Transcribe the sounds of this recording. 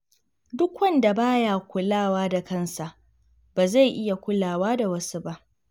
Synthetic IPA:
dʊ˦kwɐ˦nda˨baː˦ja˨kʷʊ˦laː˦˨waː˦da˨kɐ˦nsa˨ʔ | b̥aː˨za˦˨jʔɪ˦ja˨kʷʊ˦laː˨waː˦da˨wɐ˦su˦ba˦ʔ

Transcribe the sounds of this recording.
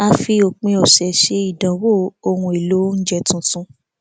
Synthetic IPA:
a˧fi˧o˨k͡pĩ˧ɔ˨ʃɛ˨ʃe˧˦i˦˨dã˨wo˦˨o˧hũ˧e˨lo˨˦n̩˦d͡ʒɛ˦˨tũ˧tũ˧˦

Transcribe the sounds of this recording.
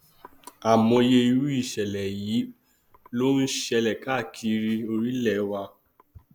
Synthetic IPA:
a˨mɔ̃˧je˧i˧ɾu˦i˦˨ʃɛ˨lɛ˨ji˨˦ | lo˦n̩˦ʃɛ˧lɛ˨ka˦˨kʰi˧ɾi˧o˧ɾi˦lɛ˨˦wa˧

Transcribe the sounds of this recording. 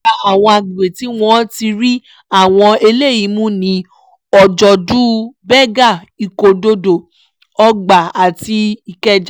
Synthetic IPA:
a˦˨w̃ɔ̃˧a˨ɡ͡be˨ti˨˦w̃ɔ̃˦ti˧ɾi˦ | a˦˨w̃ɔ̃˧e˧le˦˨ji˨˦mũ˦nĩ˨˧˦ | ɔ˨d͡ʒɔ˨du˦bɛ˦ɡa˦˨ | i˨ko˨do˧do˨ | ɔ˧ɡ͡ba˨a˨ti˧i˨kɛ˦d͡ʒ

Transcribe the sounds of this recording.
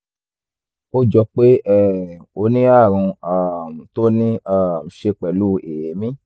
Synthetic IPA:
o˦d͡ʒɔ˧k͡pe˦ɛ˦˨o˧nĩ˦a˦˨ɾ̃ũ˧a˦˨m̩˨to˦nĩ˦a˦˨m̩˨ʃe˧k͡pɛ˨lu˦e˨je˨˦mĩ˦

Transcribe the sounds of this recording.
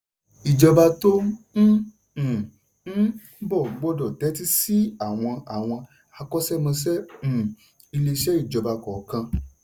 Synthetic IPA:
i˨d͡ʒɔ˧ba˧tõ˦˨˦ | bɔ˦˨˦ɡ͡bɔ˦dɔ˨tɛ˨˦ti˦si˦a˦˨w̃ɔ̃˧a˨w̃ɔ̃˧ | a˧kɔ˦sɛ˦mɔ̃˧s̬ɛ̃˦˨ | i˧le˧ʃɛ˦i˦˨d͡ʒɔ˧ba˧kɔ˨kã˧

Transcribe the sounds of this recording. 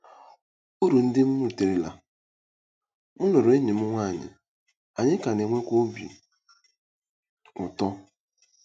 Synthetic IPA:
u˦ɾu˨n̩˦dɪ˦m̩˦mu˦˨te˨ɾe˨la̰˨ | mʊ˦lo˨ɾo˨e˦ɲe˨m̩˦ŋʷa˦˨ɲɪ̰˨ | a˨ɲɪ˦ka˨ne˨ŋʷe˦kʷo˦bḭ˨ | ʊ˨tɔ˦

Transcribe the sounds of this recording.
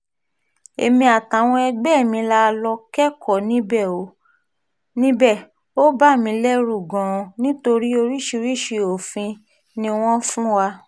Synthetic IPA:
ḛ˨mĩ˧a˨tã˨˦w̃ɔ̃˧ɛ˧ɡ͡bɛ˦˨mĩ˧la˦˧lɔ˧kɛ˦kʰɔ˦˨nĩ˨˦bɛ˦˨o˨˦ | nĩ˦bɛ˦˨ | o˦ba˦˨mĩ˧lɛ˦ɾu˦˨ɡɔ̃˨ɔ̃˧nĩ˦to˧ɾi˦o˧ɾi˦ʃi˧ɾi˦ʃi˧o˨fĩ˧ | nĩ˧w̃ɔ̃˦fũ˦wa˧

